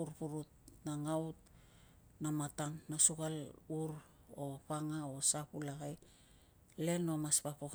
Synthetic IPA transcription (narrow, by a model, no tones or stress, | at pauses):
uɾpuɾut̚naŋawt̚ | namatanːasukaluɾo̞paŋao̞sapulaɡaj | le̞no̞maspapok